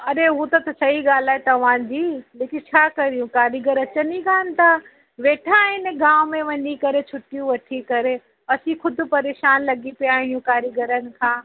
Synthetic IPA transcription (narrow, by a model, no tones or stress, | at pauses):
ɐɾeɦut̪ɐt̪ɐsɐɦiɡaːl̤aːɦet̪ɐʋ̤ãːd͡ʑiːleːkɪnt͡ɕʰaːkɐɾijũkaːɾjəɡəɾɐt͡ɕəniɡaːnɪ̆t̪ʰa | ʋeːʈʰaɦɪnɡãːʋʊmẽʋɐɲikɐɾet͡ɕʰʊʈijũʋɐʈʰikɐɾe | ɐsĩxʊd̪ʱʊ̆pɐɾeːʃaːnlɐɡipijaːɦijũkaːɾjəɡəɾənɪ̆kʰãː